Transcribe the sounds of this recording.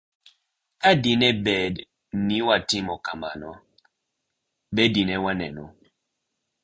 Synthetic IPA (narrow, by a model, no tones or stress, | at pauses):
adinɛbɛd | niwatimɔkama̰nɔ | bɛdinɛwanɛ̰nɔ